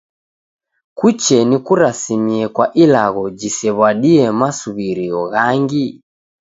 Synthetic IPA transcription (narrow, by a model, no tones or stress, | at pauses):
kut͡ʃɛnikuɾasimiɛkwaʔilaɣɔd͡ʒisɛβwaɗiɛmasuβiɾiɔɣaŋɡi